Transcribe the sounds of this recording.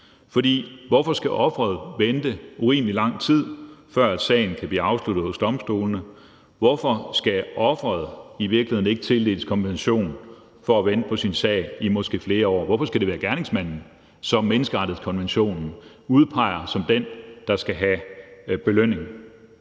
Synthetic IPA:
fɒ̽d̥ḭːʋɒfɒ̽sɡ̥æʔɒ̽fʁɐð̞̩ˠʋend̥əuʁḭːmlilɑ̈ŋ̰t͡sʰið̞̰ˠfɶɐ̰æd̥sɛ̰ɪn̩kʰæb̥liːɑ̈ʊsluɾ̥ð̩ˠhɔ̽sd̥ɒ̽msd̥o̝ːln̩ə | ʋɒfɒ̽sɡ̥æʔɒ̽fʁɐð̞̩ˠiʋiɐɡ̥lihe̝ðˠn̩e̝ɡ̥ət͡sʰe̝ld̥e̝̰ːləskʰɒ̽mb̥enæɕo̝̰ːn | fɒ̽æʋend̥əpʰɒ̽sinsɛ̰ɪ̰imɒ̽sɡ̥e̝̰ːfle̝ːɐɒ̰ːʋɒfɒ̽sɡ̥æd̥e̝ʋæːɐɡ̥æɐne̝ŋsmæn̰n̩ | sɒ̽mːenəsɡ̥əʁɑ̈d̥ð̩ˠskʰɒ̽nʋenɕo̝̰ːnn̩ | uð̞ˠpʰɑ̈ɪɐsɒ̽md̥end̥ɑ̈sɡ̥æɦæb̥e̝løn̰e̝ŋ̩

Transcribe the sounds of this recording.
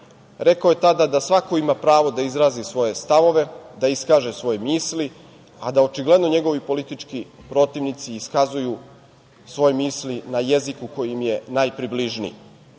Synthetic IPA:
ɾe̞kaje̞t̪ad̪ad̪asʋako̞imapɾaːʋo̞d̪aizɾaːzisʋo̞je̞st̪aʋo̞ʋed̪aiskaːʒe̞sʋo̞jemiːsli | ad̪ao̞t͡ʃiɡle̞d̪no̞ɲe̞ɡo̞ʋipo̞lit̪it͡ʂkipɾo̞t̪iʋnit̪siːskazuju | sʋo̞jemiːslinaje̞zikuko̞jimje̞najpɾibliʒnḭ

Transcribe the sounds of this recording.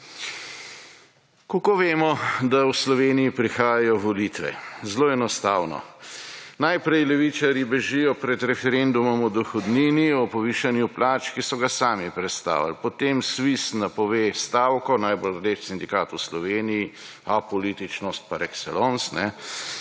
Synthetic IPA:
kokoʋeːmɔd̪awslɔʋeːnijipɾixaːjajɔʋɔlit̪ʋɛ̰zloːɛnɔst̪aːwnɔ̰ | najpɾɛjlɛʋit͡ʃaɾjibɛʒijɔpɾɛd̪ɾɛfɛɾend̪umɔmɔd̪ɔxɔd̪niːniɔpɔʋiːʃanjuplaːt͡ʃkisɔɡasaːmipɾɛt̪st̪a̰ːʋa̰lpɔt̪emsʋisnapɔʋeːst̪aːwkɔnajbold̪etsind̪ikat̪uslɔʋeːniji | apɔliːt̪it͡ʃnɔst̪̚paɾɛksɛ̰lonsnɛ

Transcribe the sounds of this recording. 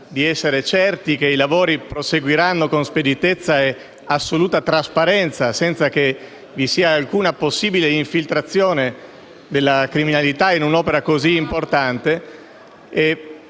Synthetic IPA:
d̪iɛsːeɾet͡ʃɛrt̪ikeilavoːɾipɾoseɡwiɾanːokonsped̪it̪et̪sːae | asːoluːt̪at̪ɾaspaɾɛnt̪sasɛnt̪sake | visiːaːlkuːnaposːiːbileiɱfilt̪ɾat̪sːjoːne | d̪elːakɾiminalit̪ainunɔːpeɾakoziːmport̪ant̪e | e

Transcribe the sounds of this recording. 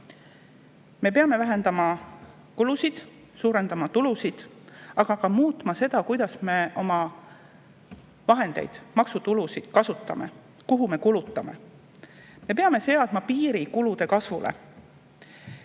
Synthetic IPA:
me̞pe̞ɑme̞væɦe̞nd̪ɑmɑ | kulusid̪̥ | suːɾe̞nd̪̥ɑmɑt̪ulusid̪̥ | ɑɡ̥ɑɡ̥ɑmuːt̪ˑmɑse̞d̪̥ɑkujd̪̥ɑsme̞ʔo̞mɑ | vɑɦe̞nd̪e̞̰jd̪̥mɑksut̪ulusid̪̥kɑsut̪ːˑɑ̰me̞̰ | kuɦume̞kulut̪ːˑɑme̞̰ | me̞pe̞ɑme̞se̞ɑd̪̥mɑpiːɾikulud̪e̞kɑsvṵlʔḛ

